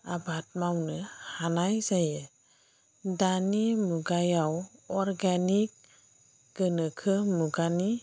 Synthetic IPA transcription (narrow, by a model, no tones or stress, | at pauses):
abat̚mawnɯhanajzajɯ | danimuɡajawɔɾɡanik̚ | ɡ̥ɯnɯkʰɯmuɡani